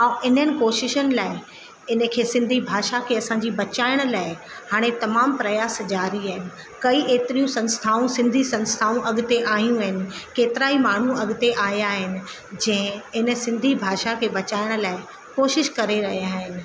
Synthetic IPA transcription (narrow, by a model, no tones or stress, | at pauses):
ãːʔɪnɦənɪ̆koːʃɪʃənɪ̆laːɪ | ɪn̤əkʰeːsɪ̃nd̪ʱibʱaːʃakʰeɐsãɲd͡ʑiːbɐt͡ɕaːɪɽ̃̆laːɪ | haːɽ̃et̪ɐmaːmpɾɐjaːsd͡ʑaːɾiaːɦɪnɪ̆ | kɐiʔeːt̪ɪɾijũsɐ̃nst̪ʰaːũsɪ̃nd̪ʱisɐ̃nst̪ʰaːũʔɐɠt̪eʔaːɦjũaɦɪnɪ̆keːt̪ɪɾaːimaːɳ̤ũɐɠt̪eʔaːɦjaɦɪnɪ̆ | d͡ʑɐ̃ɦɪ̃ɪnə̆sɪ̃nd̪ʱibʱaːʃakʰeːbɐt͡ɕaːɪɽ̃̆laːɪ | koːʃɪʃkɐɾeɾɐɦijaːɦɪnɪ̆